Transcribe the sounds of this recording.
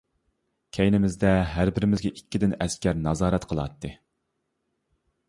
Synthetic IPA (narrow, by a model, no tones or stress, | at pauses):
kʲʰɛjnɪmɪzd̪ɛɦæɾbɪɾɪmɪzɡʲɛʔikʲːid̪ɪnɛskʲæɾnɑzɑːɾɛt̪qʰəlˠɑ̰t̪ːɨ